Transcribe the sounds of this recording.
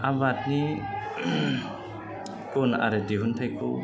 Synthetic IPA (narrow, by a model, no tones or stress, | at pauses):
abat̚ni | kɔna̰ɾɛdiɦuntʰajkʰɔ